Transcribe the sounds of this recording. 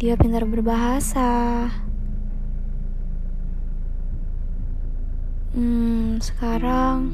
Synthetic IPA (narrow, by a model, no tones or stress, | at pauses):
iapint̪ərbərbaɦasa | sə̥kaɾaŋ